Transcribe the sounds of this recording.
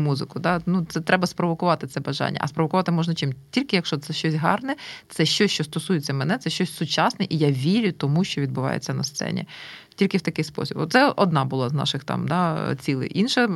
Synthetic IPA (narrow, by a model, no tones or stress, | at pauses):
muzɪkʊd̪ɑnut̪sɛt̪ɾɛbɐspɾɔʋɔkʊʋɑt̪ɪt̪sɛbɐʒɑ̰nʲːɐ̰ʔɐ̰spɾɔʋɔkʊʋɑt̪ɪmɔʒnɐt͡ʃɪmtʲilʲkɪjɐkʃt͡ʃɔt̪sɛʃt͡ʃɔsʲɦɑ̰rnɛt̪sɛʃt͡ʃɔsʲt͡ʃɔst̪ɔsujet͡sʲːɐmɛnɛt̪sɛʃt͡ʃɔsʲsʊt͡ʃɑsnɛʔijaʋʲiɾʲʊt̪ɔmuʃt͡ʃɔʋʲid̪̚bʊʋɑ̰jḛt͡sʲːɐnɐst̪sɛ̰nʲḭtʲilʲkɪwt̪ɐkɪjspɔ̰sʲibɔ̰t̪t̪sɛʔɔd̪nɑbʊlˠɑznɑ̰ʃɪxt̪ɑ̰md̪ɑt͡sʲilˠɪ̰ʔinʃɛ